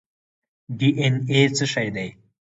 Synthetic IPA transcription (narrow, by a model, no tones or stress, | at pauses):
ɖiʔenet͡səʃajd̪aj